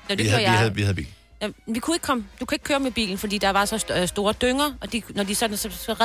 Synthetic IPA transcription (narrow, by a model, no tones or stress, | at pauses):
næd̥eiʋihæðˠbḭːl̩ | æenʋikʰue̝ɡ̥kʰɒ̽md̥ukʰue̝ɡ̥̚kʰøːɐmeb̥ḭːln̩fɒd̥ḭːd̥ɑ̈ʋɑ̈sɒ̽ssd̥o̝ːɐd̥øŋɐʔɒ̽d̥inɒd̥isɒ̽d̥n̩sɒsʁɛ